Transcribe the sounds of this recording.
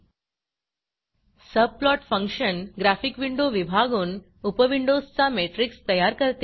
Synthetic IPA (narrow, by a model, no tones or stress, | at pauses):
səb̚plɔʈfə̃ŋkʂənɡɾæfikʋiɳɖoʋibʱaɡuːn | upəʋiɳɖozt͡sameʈɾikst̪əjaɾkəɾt̪e